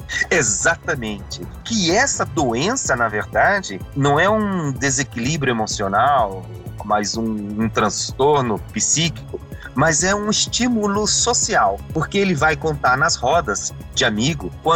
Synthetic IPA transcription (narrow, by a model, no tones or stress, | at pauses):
ezat̪ɐmẽnt͡ʃɪkɪɛsɐd̪oẽsɐnɐveɾd̪ad͡ʒɪnɐ̃w̃ɛũd̪ezekilibɾjʊemosionaw | majzũũt̪ɾɐ̃st̪oɾnʊpisikikʊ | mɐzɛũɪst͡ʃimulʊsosiawpoɾkeelɪvajkõnt̪aɾnɐzhɔd̪ɐz | d͡ʒɪamiɡʊkwɐ̃